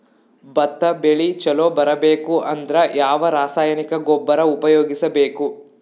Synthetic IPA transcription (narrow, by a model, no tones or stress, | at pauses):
bɐt̪ːɐbeɭit͡ʃɐloːbɐɾɐbeːkuʔɐnd̪ɐɾɐjaːʋɐɾaːsaːjɐnikɐɡɔbːɐɾɐupɐjoːɡisɐbeːku